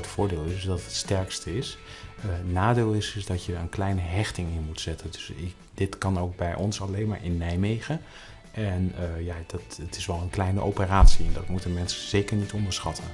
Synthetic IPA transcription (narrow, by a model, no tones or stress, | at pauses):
ətfʊːɹdeːlˠɪsdɑtətstɛɹkstəɪs | naːdeːlˠɪsɪsdɑtjəənklɛjnəɦɛχtɪŋɪnmutsɛtʰəndɵsɪ | dɪtkɑnowɡ̚bɛjʔɔnsɑlejnma̰ːɹɪnːɛjmejχə | ʔɛnjaːdɑtətɪsʋɛlˠənklɛjnəʔowpəraːtsiɛndɑtmutənmɛnsəz̥ejkəɹnitɔndəɹsχɑtʰən